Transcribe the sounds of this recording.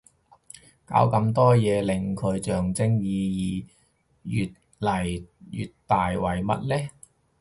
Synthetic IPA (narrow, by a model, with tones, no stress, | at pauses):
ka̰ː˨˧˥wkɐ˧mt̪ɔː˥jɛː˨˧lɪ˨˩ŋkʰɵ˨˧ɥt͡ʃœː˨ŋt͡sɪ˥ŋjiː˨˧jiː˨˩ | jyː˨t̚ | lɐ˨˩jjy̰ː˨tt̪aː˨jwɐ˨˩jmɐ̰˦˥t̚lɛː˥